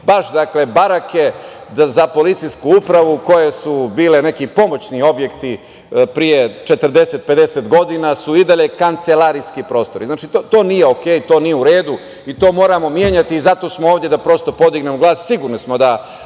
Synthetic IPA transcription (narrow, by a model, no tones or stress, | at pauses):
baʃd̪akle̞baɾake̞zapo̞lit̪sijskuupɾaʋuko̞je̞subiːle̞ne̞kipo̞mo̞t͡ɕnio̞bje̞kt̪i | pɾije̞t͡ʃe̞t̪əɾd̪e̞set̪̚pe̞d̪e̞set̪ɡo̞d̪inasuid̪aʎe̞kant̪se̞laɾijskipɾo̞ːst̪o̞ɾʔiznaːt͡ʃit̪ot̪o̞ːnije̞o̞kejit̪o̞ːnijeuɾe̞ːd̪u | it̪o̞ːmo̞ːɾamo̞mje̞ɲat̪iːzat̪o̞smooːʋd̪jed̪apɾo̞st̪o̞po̞d̪iɡnemoɡlˠaːssiɡuɾnismo̞d̪a